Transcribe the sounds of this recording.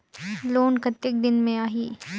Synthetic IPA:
loːnkət̪ːək̚d̪ɪnmẽaːɦiː

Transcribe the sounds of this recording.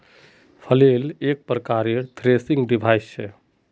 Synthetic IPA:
pʰəlelek̚pɾəkaɾeɾt̪ʰɾesiŋɡɖibʱajst͡ʃʰe

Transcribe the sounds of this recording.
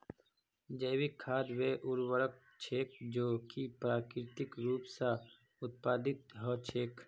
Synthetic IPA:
d͡ʒəːwikʰːaːd̪weʔʊɾwəɽək̚ | t͡ʃʰeːk̚d͡ʒoːkipɾaːkɾɪt̪ɪkɾuːpsa | ʊt̪̚paːd̪ɪt̪ɦɔt͡ʃʰeːk

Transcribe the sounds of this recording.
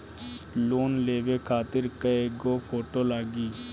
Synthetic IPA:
loːnleːʋekʰaːt̪ɪɾkəeːɡoːpʰoːʈoːlaːɡiː

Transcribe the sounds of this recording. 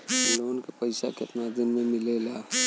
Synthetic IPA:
lonkepəjsaket̪nad̪inmemilela

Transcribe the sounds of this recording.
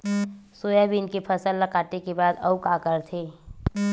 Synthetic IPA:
soːjabʱiɪnkepʰɐsəlːɐkaːt̪ekebaːd̪ɐ̰ukaːkəɾt̪ʰeː

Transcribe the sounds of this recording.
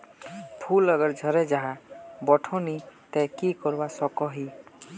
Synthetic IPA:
pʰulʌɡəɾd͡ʒʱɔɾed͡ʒaɦãbɔʈʰɔnit̪ɛ̃kikɔɾbasɔkɔɦi

